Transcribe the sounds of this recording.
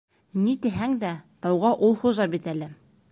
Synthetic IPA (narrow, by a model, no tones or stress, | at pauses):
nit̪ɘ̆ɦæŋd̪æt̪ɑwʁɑʔulˠχuzɑbit̪ælɘ